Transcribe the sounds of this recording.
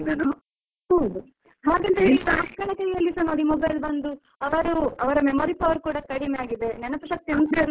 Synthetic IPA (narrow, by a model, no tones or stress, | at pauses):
nd̪ɐnu | hɐwd̪u | ɦaːɡɐnt̪ɐiɐkːɐɳɐkɐjɐlːisɐnoɽimɔbɐjlbɐnd̪u | ɐʋɐɾuɐʋɐɾɐmemoːɾipɐʋɐɾukuːɽɐkɐɽimeaːɡid̪e̞nɛnɐpɐʃɐk̚t̪ːjɐnsiɐɾ